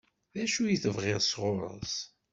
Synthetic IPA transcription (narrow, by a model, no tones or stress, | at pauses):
ðæʃujiθəvʁeʁsʁʊɾˤə̰s